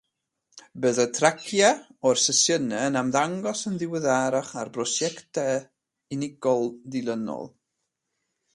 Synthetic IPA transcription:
bəðətʰrakʰjaɔrsəsjənɛənamðaŋɡɔsənðɪwəðaɾaχarbrɔsjɛktʰɛ | ɪnɪɡ̥ɔlˠdɪlˠənɔ̰lˠ

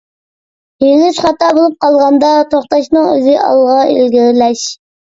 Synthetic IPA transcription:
jenyʃχɑt̪ɑːbolˠup̚qʰɑlˠʁɑnd̪ɑt̪ʰoχt̪ɑʃnɨŋø̰zɪʔɑ̰lˠʁɑḛlɡʲiɾɪlɛʃ

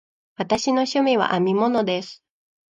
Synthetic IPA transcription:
βat̪aɕino̞ɕɨmʲiβa̰ʔamʲimo̞no̞d̪e̞sɨ̥

